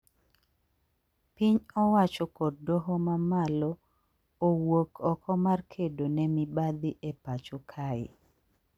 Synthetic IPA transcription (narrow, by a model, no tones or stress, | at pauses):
piɲɔwat͡ʃɔkɔddɔɦɔmamalɔ | owokʰɔkɔmarkʰedonɛmibad̪ɪʔepat͡ʃokʰaɪ̰